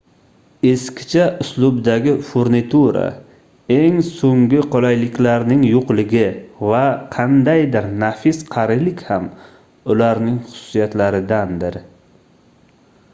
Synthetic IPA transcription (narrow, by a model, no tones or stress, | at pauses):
eskʲɪ̥t͡ʃʰaʔʊslˠʊbd̪aɡʲɪfoɾnit̪ʰuɾa̰ | e̞ŋsoŋɡʲɪqʰɒlajlɪkʲlaɾnɪŋjoqlɪɡʲɪvaqʰɑnd̪ajd̪ɪɾnafɪsqʰɑɾɪlɪkʲham | ʊlaɾnɪŋχʊ̥sʊ̥sijat̪laɾɪd̪and̪ɪɾ